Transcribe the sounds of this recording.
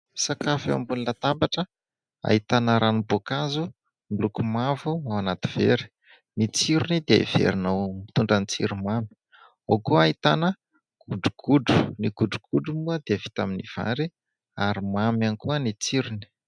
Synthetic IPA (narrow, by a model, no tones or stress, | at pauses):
sakafa̰mbulinat̪ambaʈ͡ʂə | a̰ɦit̪anəɾanibokazu | milukumavuawanat̪i̥v̥ḛɾi̥ | nit͡siɾunid̪ea̰ḭv̥ḛɾinawmit̪uɳɖ͡ʐanit͡sḭɾumami̥ | okuaɦit̪anə | ɡ̥uɖ͡ʐuɡ̥uɖ͡ʐu̥niɡ̥uɖ͡ʐuɡ̥uɖ͡ʐumuəd̪eəvi̥t̪aminiv̥a̰ɾi | aɾimamanikuənit͡siɾuni̥